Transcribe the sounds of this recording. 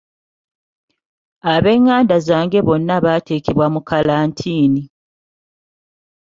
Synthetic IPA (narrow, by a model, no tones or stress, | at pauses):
aβe̞ːŋːaːndazaːŋɡe̞βo̞nːaβaːteːkeβwamukalaːntʰiːni